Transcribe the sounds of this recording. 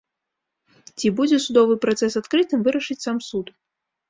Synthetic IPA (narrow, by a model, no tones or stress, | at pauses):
t͡sʲibud͡zʲɛsud̪ɔvɨpɾat̪sɛsat̪kɾɨt̪ɨmvɨɾɐʂɨt͡sʲsamsut̪